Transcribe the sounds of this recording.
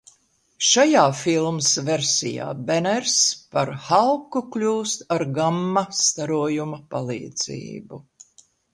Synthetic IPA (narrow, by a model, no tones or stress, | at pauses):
ʃajaːfilˠmsvɛɾsʲija̰ːbɛnɛɾspaɾhalˠkuklʲuːst̪aɾɡamːɐst̪aɾuɔjumɐpalˠḭːd̪z̥ḭːbu